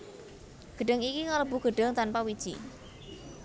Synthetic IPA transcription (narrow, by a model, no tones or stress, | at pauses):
ɡ̥ə̤ɖ̥ə̤ŋikikaləbṳɡ̥əɖ̥ə̤ŋt̪anpawid̥ʒ̥i